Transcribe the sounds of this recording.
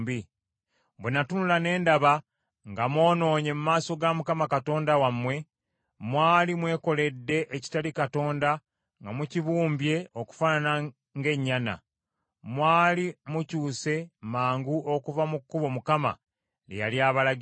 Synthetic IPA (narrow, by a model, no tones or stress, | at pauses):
bi | bwenatunulane̞ːndaβa | ŋɡamwo̞ːno̞ːɲe̞mumaːso̞ɡamukamakato̞ːndawamwe̞ | mwaːlimwe̞ːko̞le̞dːe̞ʔeci̥talikato̞ːnda | ŋɡamuciβuːmbje̞oku̥fanana | ŋɡe̞ɲːana̰ | mwaːlimucuːse̞maːŋɡuʔo̞kuvamukːuβo̞mukama̰ | lḛjaljaːβalaɡ